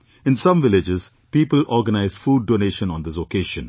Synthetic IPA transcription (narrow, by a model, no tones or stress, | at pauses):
ɪ̃nsʌ̃mʋɪlɪd͡ʒɪz̥ | piːpəlʔɔːɾɡənaɪzfuːɖ̚ːoːneːʃə̃nɔ̃nd̪ɪs̬okeːʃə̃n